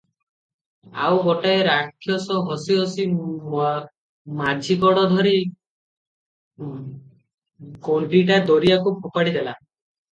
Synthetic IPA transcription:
a̰wɡɔʈaeɾakʰːjɔsɔɦɔsiɦɔsi | mad͡ʒʱikɔɽɔd̪ʱɔɾi | koɳʈiʈad̪ɔɾijakupʰɔpaɽid̪ela

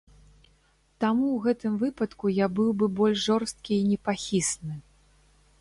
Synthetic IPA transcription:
t̪amuwɣɛt̪ɨmvɨpɐt̪kujabɨwbɨbɔlʲʃʐɔrst̪̚kʲiːnʲɛpaxʲisnɨ

